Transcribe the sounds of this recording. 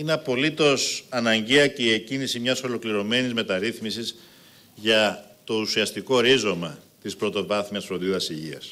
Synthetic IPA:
ineɐpo̞lit̪o̞sɐnɐɲɟe̞ɐceiecinisimɲɐso̞lo̞kliɾo̞me̞nizme̞t̪ɐɾiθmisiz | ʝɐt̪o̞usiɐst̪iko̞oɾizo̞mɐt̪ispɾo̞t̪o̞vɐθmiɐsfɾoðiuɐsiʝiɐs

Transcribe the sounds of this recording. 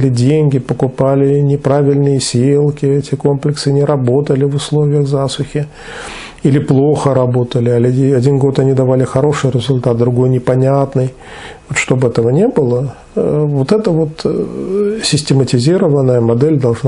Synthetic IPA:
lʲɪdʲenʲɡʲɪpəkʊpalʲɪnʲɪpɾavʲɪlʲnɨjəsʲelˠkʲɪɛtʲɪko̞mplʲɪksɨnʲɪɾɐbo̞t̪əlʲɪvʊslˠo̞vʲɪjəɣzasʊxʲɪ | ilʲɪplˠo̞xəɾɐbo̞t̪əlʲɪɐlʲɐdʲinɡo̞t̪ɐnʲid̪ɐvalʲɪxɐɾo̞ʂɨjɾʲɪzʊlʲt̪at̪̚d̪ɾʊɡo̞jnʲɪpɐnʲat̪nɨj | vot̪ʂt̪o̞bɛt̪əvənʲebɨlˠə | vo̞t̪ɛt̪əvo̞t̪ | sʲɪsʲtʲɪmətʲɪzʲiɾəvənːəjəmɐd̪ɛlʲd̪ɐlˠʐn

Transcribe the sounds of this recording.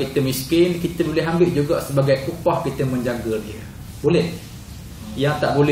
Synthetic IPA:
kit̪əmiskɪnkit̪əbolɛɦambɪʔ̚d͡ʒuɡaʔsəbaɡajʔupɔhkit̪əmə̃ɲd͡ʒaɡədiə | bolɛh | jaŋt̪aʔbolɛ

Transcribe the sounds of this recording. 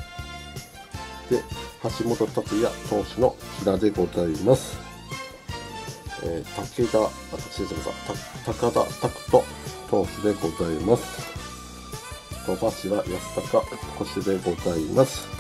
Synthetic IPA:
d̪̥e̞haɕimo̞t̪o̞t̪at͡ɕijat̪o̞ːɕino̞kʲiɾad̪e̞ɡo̞zaimasɨ̥ | eːt̪aked̪a | at̪ḁkɯ̥ɕid̪esemasa̰t̪at̪akad̪a̰t̪akɯ̟̥t̪o̞ | t̪o̞ːɕɨd̪e̞ɡo̞zaimasɨ̥ | kat̪aɕiβajasɨ̥t̪akako̞ɕɨd̪e̞ɡo̞zaimasɨ̥

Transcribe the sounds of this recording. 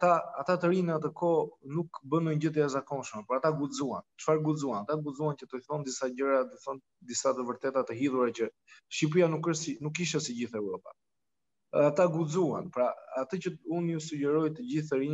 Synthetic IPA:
at̪aat̪at̪əɾinat̪əkɔnukbənɔɲɟət̪ɛazakɔnʃmɛpɔɾat̪aɡud͡zuant͡ʃfaɾɡud͡zuanat̪aɡud͡zuancət̪ɔjθɔnd̪isaɟəɾat̪ɔjθɔn | d̪isat̪əvəɾt̪ɛt̪at̪əɦiðuɾacə | ʃip̬ɾianukəsinukːiʃɛsiɟiθɛwɾɔpa̰ | at̪aɡud͡zua̰npɾaat̪əcəunusuɟɛɾɔjt̪əɟiθəɾin

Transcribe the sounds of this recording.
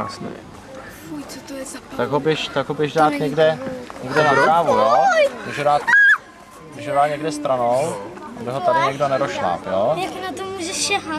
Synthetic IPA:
a̰sɲɛ̰ | jot̪t̪aɡɦobɛʃt̪aɡɦobɪʒdaːt̪ɲɛɡdɛɲɛɡdɛnaɾoaːvujomuʒudaːt̪ | ɪʒɦoɾaːɲɛɡdɛst̪ɾanowabɪɦot̪adɪɲɛɡdonɛɾoʃla̰ːpjojakɪnat̪omuːʒɛʃɛɦa

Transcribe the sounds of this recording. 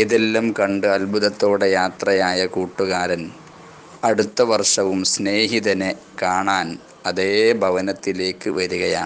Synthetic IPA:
iðelːɐmkɐɳɖɨɐlbʱuðɐt̪ːoːɽe̞jaːt̪rɐjaːjɐkuːʈːuɣaːɾɐn | ɐɽut̪ːɐʋɐrʂɐʋumsne̞ːɦiðɐne | kaːɳaːn | ɐðeːbʱɐʋɐnɐt̪ːile̞ːkːɨʋɐɾuɣɐja̰ː

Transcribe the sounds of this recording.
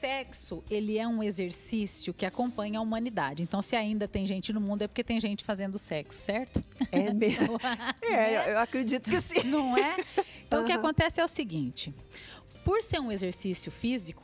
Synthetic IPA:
sɛksʊelɪɛũezeɾsisiʊkɪakõmpɐ̃ɲɐumɐ̃nid̪a̰d͡ʒɪẽnt̪ɐ̃w̃sɪaĩnd̪ɐt̪ẽj̃ʒẽnt͡ʃɪnʊmũnd̪ʊɛpoɾket̪ẽj̃ʒẽnt͡ʃɪ̥fazẽnd̪ʊsɛksʊ̥sɛɾt̪ʊɛme | ɛewewakɾed͡ʒit̪ʊkɪsinɐ̃w̃ɛẽt̪ɐ̃w̃ʊkɪakõnt̪ɛsɪɛʊsɪɡĩt͡ʃɪ | poɾseɾũezeɾsisjʊfizikʊ̥

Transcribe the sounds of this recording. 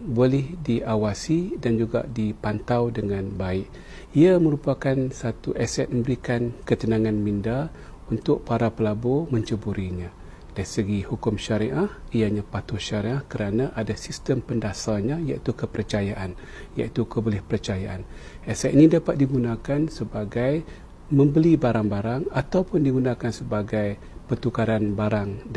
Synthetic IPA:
bolɪhdiʔawasidand͡ʒuɡa̰ʔdipant̪awdəŋanbaɪʔ | iaməɾupakansat̪uʔɛsɛt̪̚mə̃mbəɾikankət̪ənãŋãnminda | unt̪ʊʔ̚paɾapəlaboməɲt͡ʃəbuɾiɲã | daɾisəɡihukʊmʃaɾiʔahijaɲãpat̪uʃaɾiʔahkəɾanaʔadasist̪əmpəndasaɲajaʔit̪ukəpəɾt͡ʃajaʔan | ja̰it̪ukəbolɪhpəɾət͡ʃajaʔan | ʔɛsɛt̪̚inidapat̪̚diɡunakansəbaɡaj | mə̃mbəlibaɾaŋbaɾaŋat̪awpʊndiɡunãkansəbaɡaj | pərt̪ukaɾanbaɾaŋ

